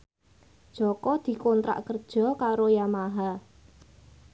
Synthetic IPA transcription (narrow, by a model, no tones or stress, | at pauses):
d̥ʒ̥ɔ̤kɔd̪̥i̤kont̪ɾa̰ʔkərd̥ʒ̥ɔ̤kaɾojamaɦa